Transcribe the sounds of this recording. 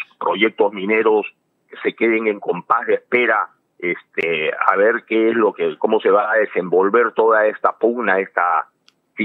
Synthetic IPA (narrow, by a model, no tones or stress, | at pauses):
pɾo̞ʝe̞k̚t̪o̞zmĩne̞ɾo̞s | kese̞ke̞ðe̞ŋe̞ŋko̞mpazðeespe̞ɾa | est̪ea̰βe̞ɾkeezlo̞keko̞mo̞se̞βaːðe̞se̞mbo̞lβe̞ɾt̪o̞ðae̞st̪apuɣnae̞st̪a | si